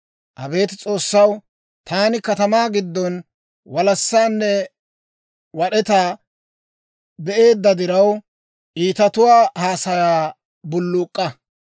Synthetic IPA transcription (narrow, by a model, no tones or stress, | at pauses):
ʔɐbe̞ːt̪ɪt͡sʼo̞ːsːɐw | t̪aːnɪkɐt̪ɐmaːɡɪd̪ːɔn | wɐlɐsːaːnːɛ | wɐɗɛt̪aː | bɛʔe̞ːd̪ːɐd̪ɪɾɐw | ʔiːt̪ɐt̪ʊwaːhaːsɐjaː | bʊlːʊːkʼːɐ